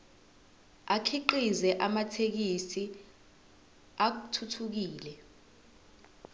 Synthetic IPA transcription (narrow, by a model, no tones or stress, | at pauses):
akʰiǃizɛʔamatʰek̬isi | ak̬utʰutʰuk̬iːlɛ